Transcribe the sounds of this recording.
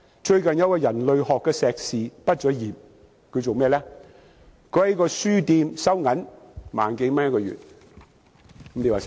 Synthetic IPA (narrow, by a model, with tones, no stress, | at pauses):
t͡ʃɵ˧ɥkɐ˨njɐ˧˥kɔː˧jɐ˨˩nlɵ˨ɥhɔː˨kːɛː˧sɛː˨k̚siː˨pɐ˥t̚t͡ʃɔ˨˧jiː˨˩p̚ | kʰɵ˨˧ɥt͡so˨wmɛː˥˧lɛː˥ | kʰɵ˨˧˥hkɔː˧syː˥t̪iː˧msɐ˥wŋɐ˨˥n | ma̰ː˨nke˨˧jmɐ˥njɐ˥t̚kɔː˧ɥy̰˨t̚ | kmne˨˧waː˨